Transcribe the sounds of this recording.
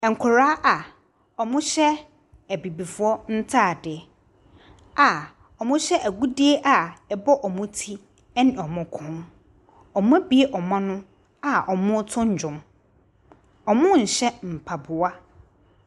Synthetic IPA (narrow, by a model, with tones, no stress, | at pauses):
ɛ˨ŋ̩˨kʰʊ˨ɾaː˦ʔa˨ | ɔ˨mʊ̃˦ɕɛ˦ | æ˨bi˨bi˨fʊ˦ɔ˦n̩˦tʰaː˦˨dɪ˨ | a˨ | ɔ˨mʊ̃˦ɕɛ˦ʔæ˨ɡu˦di˦e˦ʔa˨ɛ˨bɔ˦ʔɔ˨mʊ̃˦tʰi˦ | ɛ˦nɪ̃˨ɔ˨mʊ̃˨kʰʊ̃˦n | ɔ˨m˦ã˦bi˦e˦ʔɔ˨mã˦nʊ̃˦ | a˨ʔɔ˨mʊ̃˦tʰʊ̃˦ɲ̩˨d͡ʑᶣʊ̃˨m | ɔ˨mʊ̃˦ɲ̩˨ɕɛ˦m̩˨pʰa˨bʊ˨a˦